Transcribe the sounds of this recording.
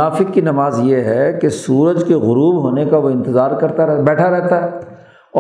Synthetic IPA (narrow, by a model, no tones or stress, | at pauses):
aːfɪkːinɐmaːzjeɦɛkesuːɾəd͡ʒkeɣʊɾuːbɦoːnekaʋoɪ̃nt̪ɪzaːɾkɐɾt̪abɛːʈʰaɾɛɦt̪aɦɛː | ɔː